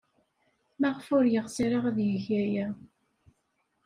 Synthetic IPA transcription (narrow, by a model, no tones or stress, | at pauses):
mæʁəfʊɾjəʁsiɾaʁæðjəçæjæ